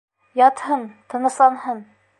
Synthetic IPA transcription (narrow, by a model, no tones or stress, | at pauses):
jɑt̪hɤnt̪ʰɤ̆nɤ̆slˠɑnɦɤn